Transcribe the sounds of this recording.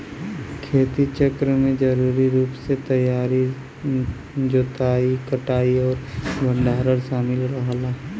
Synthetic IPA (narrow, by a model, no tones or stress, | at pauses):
kʰeːt̪it͡ʃəkɾəmẽd͡ʒɐɾuːɾiɾuːpset̪ɐjaːɾi | d͡ʒot̪aːikəʈaːiɔːɾbʱə̃ɳɖʱaːɾəɾsaːmɪlɾəɦlaɦ